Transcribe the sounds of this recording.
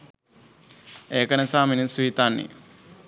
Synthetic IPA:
eːkənəsaːminisuɦit̪anːḛ

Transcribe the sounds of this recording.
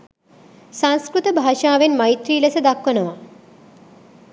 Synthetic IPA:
sãŋskɾut̪əbʱaːʃaːʋenmait̪ɾiːləsəd̪akʋənəʋa

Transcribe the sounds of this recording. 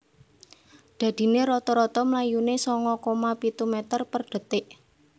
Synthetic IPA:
d̪̥ä̤d̪̥i̤neɾɔt̪ɔɾɔt̪ɔmlajunesɔŋɔkomapit̪umɛt̪ərpərɖ̥ə̤t̪ɪʔ

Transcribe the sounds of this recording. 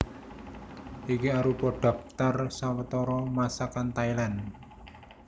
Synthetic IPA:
ʔikiaɾupɔɖ̥a̤p̚t̪arsawət̪ɔɾɔmasakant̪ailan

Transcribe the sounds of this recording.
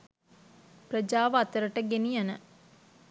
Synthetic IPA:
prəd͡ʒaːʋəat̪əɾəʈəɡenijanə̰

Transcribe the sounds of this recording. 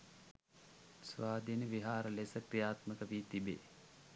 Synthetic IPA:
sʋaːd̪inəʋiɦaːɾəlesəkrijaːt̪məkəʋiːt̪ibḛ

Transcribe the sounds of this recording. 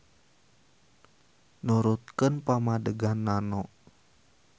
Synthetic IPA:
nuɾut̪̚kənpamadəɡanːanɔʔ

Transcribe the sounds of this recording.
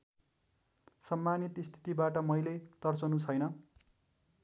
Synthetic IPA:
sʌmːanit̪ist̪ʰi̥t̪ibaʈʌmʌjled̪̥ʌrt͡sʌnut͡sʰʌjnʌ

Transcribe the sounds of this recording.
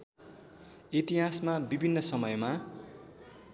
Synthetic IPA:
it̪iɦasmabibʱinːʌsʌmʌjma

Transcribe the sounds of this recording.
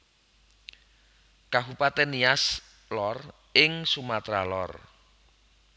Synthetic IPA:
kaɦupat̪enias | lɔr | ɪŋsumat̪ɾalɔ̰r

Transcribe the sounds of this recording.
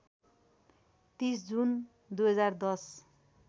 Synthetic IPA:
t̪isd͡zun | d̪ujɦʌd͡zard̪ʌs

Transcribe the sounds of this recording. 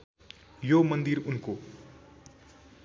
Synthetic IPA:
jomʌnd̪iɾunko

